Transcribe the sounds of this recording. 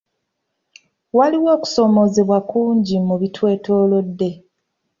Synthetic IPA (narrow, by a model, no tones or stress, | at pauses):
waliwo̞ːku̥so̞mo̞ze̞βwakuːɲɟimuβitʰwe̞ːto̞lo̞dːe̞